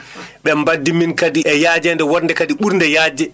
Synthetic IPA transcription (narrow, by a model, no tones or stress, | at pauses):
ɓɛmbadːiminkadiʔɛjaːd͡ʒɛndɛwɔɾndɛkadiɓuɾndɛjaːd͡ʒɛ